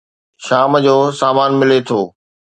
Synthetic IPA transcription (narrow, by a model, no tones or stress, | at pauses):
ʃaːmd͡ʑoːsaːmaːnmɪlet̪ʰoː